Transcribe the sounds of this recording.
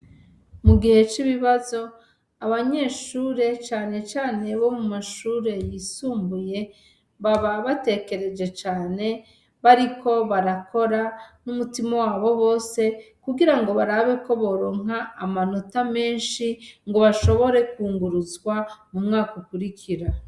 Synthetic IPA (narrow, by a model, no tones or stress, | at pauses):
muɡihe̞t͡ʃiβiβazo̞ | aβaɲe̞ːʃuːɾe̞t͡ʃaːne̞t͡ʃaːne̞βo̞mumaʃuːɾe̞jiːsuːmbuje̞ | βaβaβate̞ke̞ɾe̞d͡ʒe̞t͡ʃaːne̞ | βaɾikʰo̞βaɾako̞ɾanumutimowaːβo̞βo̞ːse̞kuɡiɾaŋɡo̞βaɾaβe̞ko̞βo̞ɾoŋ̥aːmano̞tame̞ːnʃiŋɡo̞βaʃo̞βo̞ɾe̞kuːŋɡuɾuzɡwamumŋaːkukuɾikʰiɾa